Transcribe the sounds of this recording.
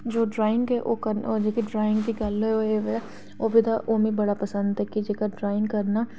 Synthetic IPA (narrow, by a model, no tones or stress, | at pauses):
d͡ʒoːɖɾaːɪ̃ŋɡɦɛʔokɐɾɔd͡ʒeːkiɖɾaːɪ̃ŋɡd̪iɡɐlɛoɦeʋɛ | oːbʱit̪aʔoːmibɐɽapɐsə̃nd̪ɦɛkid͡ʒeːkaɖɾaːɪ̃ŋɡkɐɾna